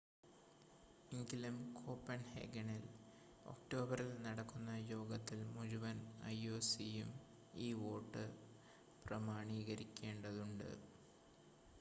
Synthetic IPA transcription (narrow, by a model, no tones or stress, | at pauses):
eŋɡilumkʰo̞ːpːɐnhḛːɡɐɳil | o̞̰kʈo̞ːbɐrilnɐɽɐkːunːɐjo̞ːɡɐt̪ːilmuɾuʋɐnɐ̰jo̞ːsijum | iːʋo̞ːʈːɨ | prɐmaːɳiːɣɐɾikʲːe̞ːɳɖɐðuɳɖɨ̰